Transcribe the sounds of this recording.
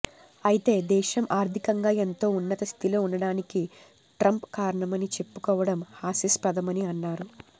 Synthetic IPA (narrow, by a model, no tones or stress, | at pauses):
ɐjit̪e̞ːd̪ɛːʃɐmʔaːɾt̪ikɐŋɡaːent̪o̞ːunːɐt̪ɐst̪ʰilo̞ːunːɐɽaːniki | ʈɾɐmpkaːɾɐɳɐmɐnit͡ʃe̞pːu̥kɔːʋɐɽɐmhaːsispɐd̪ɐmɐniɐnːaːɾu